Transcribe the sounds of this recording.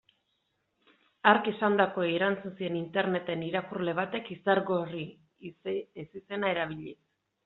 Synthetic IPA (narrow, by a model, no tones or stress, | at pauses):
aɾke̞sand̪ako̞eɾant͡sunsie̞nint̪e̞ɾne̞t̪eniɾakurle̞β̞at̪e̞kisaɾɣo̞ri | esise̞nae̞ɾaβ̞iʎis